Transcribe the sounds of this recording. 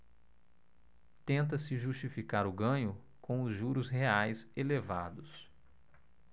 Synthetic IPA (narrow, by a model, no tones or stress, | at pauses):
t̪ẽnt̪̬ɐsɪʒust͡ʃifikaɾʊɡɐ̃ɲʊ | kõw̃ʊzʒuɾʊsɦeajselevad̪ʊs